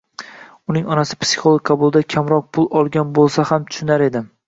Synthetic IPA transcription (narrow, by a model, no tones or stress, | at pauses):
ʊnɪŋɒnasɪpsi̥χolˠok̚ʲqʰɑbʊlˠd̪akʲʰamɾɒq̚pʰʊlˠɒlˠɡʲanbolˠsahamt̪ʰʊ̥ʃʊnaɾe̞d̪ɪ